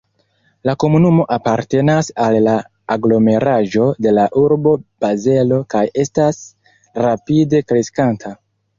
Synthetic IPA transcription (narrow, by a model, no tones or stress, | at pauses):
lako̞munumo̞ʔapaɾte̞nasalːaː | ɡlo̞me̞ɾaʒo̞de̞laʔuɾbo̞b̥aze̞lo̞kaje̞stas | rapide̞kɾe̞skantʰa